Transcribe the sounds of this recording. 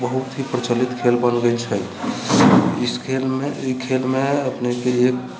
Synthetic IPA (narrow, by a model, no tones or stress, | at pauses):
bəɦut̪ɦipɾət͡ʃəlit̪kʰelbənɡəɪt͡ʃʰə | ɪskʰelmekʰelmẽəpnekeek̚